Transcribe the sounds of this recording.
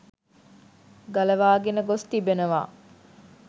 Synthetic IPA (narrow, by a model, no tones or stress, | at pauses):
ɡɐlɐʋaːɡenəɡost̪ibenəʋa̰ː